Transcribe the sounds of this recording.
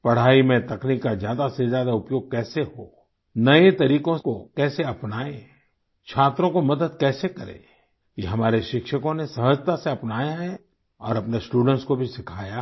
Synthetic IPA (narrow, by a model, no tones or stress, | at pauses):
pɐɽ̤aːimẽt̪ɐkniːkːazjaːd̪asezjaːd̪aʊpjoːɡ̚kɛːseɦoː | nɐet̪ɐɾiːkõkokɛːseɐpnaːẽ | t͡ʃʰaːt̪ɾõkomɐd̪əd̪kɛːsekɐɾḛ̃ː | keɦɐmaːɾeʃɪkʃəkõnesɐɦəd͡ʒt̪aseɐpnaːjaɦɛ | ɔːɾɐpnesʈuːɖə̃ɳʈskobʱisɪkʰaːja